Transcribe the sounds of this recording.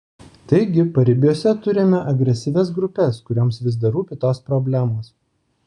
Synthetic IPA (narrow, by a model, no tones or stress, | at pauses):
t̪ɐɪɡʲɪpɐɾʲɪbʲjuːsʲɛt̪ʊɾʲɪmʲɛʔɐɡɾʲɛsʲɪʋʲɛsɡɾʊpʲɛskʊɾʲoːmsʋʲɪzd̪ɐɾuːpʲɪt̪oːspɾɔbʲlʲæmoːs